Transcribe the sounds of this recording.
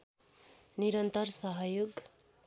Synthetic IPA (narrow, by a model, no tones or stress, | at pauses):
niɾʌnt̪ʌrsʌɦʌjoɡ